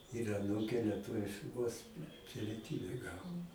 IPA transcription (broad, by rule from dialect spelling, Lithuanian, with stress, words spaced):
ɪr ɐˈnuːkʲeː lʲiɛˈtʊʋʲɪʃ ʋoːs pʲɪlʲiɛˈtʲiːbʲɛ ˈɡɑːʋoː